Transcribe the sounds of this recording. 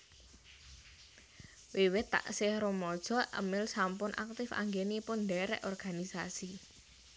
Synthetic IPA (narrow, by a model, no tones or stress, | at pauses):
wewɪt̪ːa̰ʔsɪhɾomɔd̥ʒ̥ɔ̤ʔə̰mɪlsampʊnʔa̰k̚t̪ɪfa̰ŋɡenipʊnd̪ɛɾɛ̰ʔɔrɡ̥anisasi